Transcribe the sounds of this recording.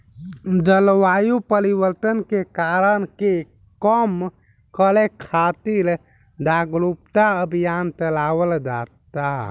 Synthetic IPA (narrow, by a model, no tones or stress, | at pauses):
d͡ʒəlʋajupəɾibəɾt̪ənkekaɾənke | kəm | kəlekʰat̪iɾ | d̪aɡɾup̚t̪aəbʱijant͡ʃəlawəld͡ʒa̰t̪a